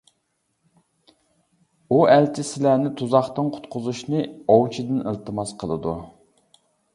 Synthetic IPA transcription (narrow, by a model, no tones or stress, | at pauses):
uælt͡ʃʰɪsɪlænɪt̪ʰuzɑχt̪ɨnqʰʊ̥t̪qʰʊzuʃnɨowt͡ʃʰid̪ɪnəlˠt̪ɨmɑsqʰəlˠɨ̰d̪ṵ